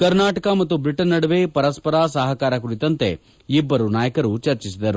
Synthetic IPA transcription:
kɐɾnaːʈɐkɐmɐt̪ːubɾiʈɐnːɐɽɐʋepɐɾɐspɐɾaːsɐɦɐkaːɾɐkuɾit̪ɐnt̪e̞ | ibːɐɾunaːjɐkɐɾut͡ʃɐɾt͡ʃisid̪ɐɾu

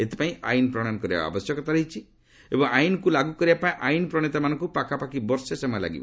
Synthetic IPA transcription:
et̪e̥paĩa̰inpɾɔɽ̃anɔkɔɾiba̰a̰bɔsjɔkɔt̪aɾeɦit͡ʃʰi | ebɔŋajnɔkulaɡukɔɾibapaĩʔajinɔpɾɔɽ̃it̪amanɔ̃ŋkupakapakibɔɾsesemɔjela̰ɡḭbɔ̰

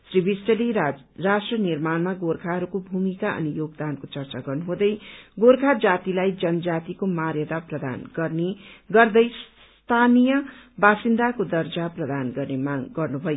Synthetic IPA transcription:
sribʱisʈʌle | rasʈrʌnirmanmaɡorkʰaɦʌɾukobʱumikaʔʌ̰nijoɡd̪ankot͡sʌrt͡saɡʌrnuɦũd̪ʌjɡorkʰad͡zat̪ilajd͡zʌnʌd͡zat̪ikomarjʌd̪aprʌd̪a̰nɡʌrniɡʌrd̪ʌjs | t̪ʰanijʌbasind̪akod̪ʌrd͡zaprʌd̪anɡʌrnemaɡʌrnubʱʌjo

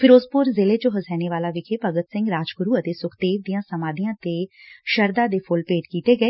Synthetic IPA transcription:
pʰɪɾoːzpʊɾzeːleːt͡ʃoɦəzɛːneːʋaːlaːʋɪkʰeːpəɡət̪sɪ̃ŋɡɾaːd͡ʒɡʊɾuːət̪eːsʊkʰd̪eːʋd̪ijãːsəmaːd̪ijãːt̪eːʃəɾd̪aːd̪eːpʰʊlpeːʈkiːt̪eːɡəeː

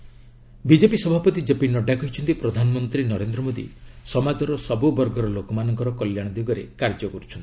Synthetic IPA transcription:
bid͡ʒepisɔbʱapɔt̪id͡ʒepinːɔɖakɔɦit͡ʃʰɔnt̪ipɾɔd̪ʱanɔmɔnt̪ɾinɔɾend̪ɾɔmod̪ḭsɔmad͡ʒɔɾɔsɔbubɔɾɡɔɾɔlokɔmanɔŋkɔɾɔkɔljaɽ̃ɔd̪iɡɔɾekaɾd͡ʒɔkɔɾut͡ʃʰɔnt̪i̥

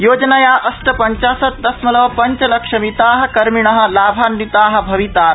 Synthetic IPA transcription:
joːd͡ʒnajaːʔɐsʈɐpɐɲt͡ʃaːsɐt̪̚d̪ɐsmɐlɐʋpɐɲt͡ʃɐlɐkʂɐmit̪aːɦɐ̆kɐɾmiɳ̃ɐɦɐ̆laːbʱaːnːit̪aːɦɐ̆bʱɐʋit̪aːɾ

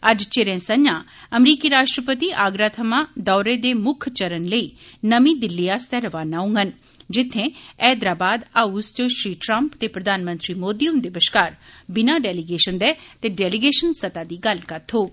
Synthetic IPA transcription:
əd͡ʒt͡ʃeɾẽːsəɲãː | əmɾiːkiːɾaːʃʈɾəpət̪iːʔaːɡɾaːt̪ʰəmãːd̪ɔːɾeːd̪eːmʊkʰt͡ʃəɾənləiːnəmĩːd̪ɪlːijaːst̪ɛːɾəʋaːnaːʊ̃ŋɡən | d͡ʒɪt̪ʰːẽːɛːd̪ɾaːbaːd̪aːust͡ʃõːʃɾiːʈɾəmpt̪eːpɾəd̪ʱaːnmə̃nt̪ɾiːmoːd̪ijəmd̪ɪʋəʃkaːɾbɪnaːɖɛːlɪɡeːʃənd̪ɛːt̪eːɖɛːlɪɡeːʃənsət̪aːd̪iːɡəlkət̪ʰoː

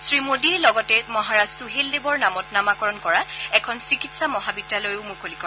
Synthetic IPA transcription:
sɹimodiɹlɔɡɔtɛmɔɦaɹasuɦeldebɔɹnamɔtnamakɔɹɔnkɔɹaɛkʰɔnsikitsamɔɦabitːalojʊmukʰolikɔ

